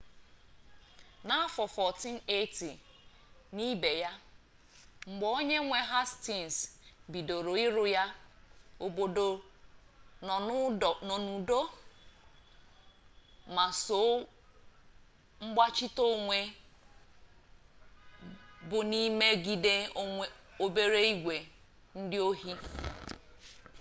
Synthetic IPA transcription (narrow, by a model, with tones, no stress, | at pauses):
na˦fɔ˨fɔ˨ti˦n̩˦e˦ti˨ | ni˦be˨ja˦ | ŋ͡m̩˨ɡ͡bɔ˨o˦ɲe˦ŋʷe˦ɦa˦sti˨n˨sbi˨do˨ɾo˨i˦ɾʊ˦ja˦ | o˨bo˨do˨˦˨ | nɔ˨nu˨do˦ | ma˨so˨˦ | ŋ͡m̩˦ɡ͡ba˦t͡ʃi˦to˦ŋʷe˦ | bʊ˨ni˦me˦ɡi˨de˦ | o˨be˦ɾe˦i˦ɡʷe˨ | n̩˦dɪ˦o˦ɦi˦